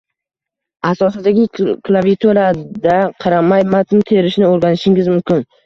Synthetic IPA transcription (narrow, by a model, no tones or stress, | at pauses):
asɒsɪd̪aɡʲɪklˠavijt̪ʰoɾad̪aqʰɑɾamajmat̪ɪt̪ʰe̞ɾɪʃnɪoɾɡʲanɪʃɪŋʲɪzmʊmkʲɪn